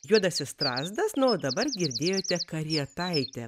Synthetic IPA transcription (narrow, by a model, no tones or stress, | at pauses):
juɔd̪ɐsʲɪst̪ɾɑːzd̪ɐsnʊoːd̪ɐbɐrɡʲɪɾʲd̪ʲeːjoːt̪ʲɛkɐɾʲiɛt̪ɐɪt̪ʲɛ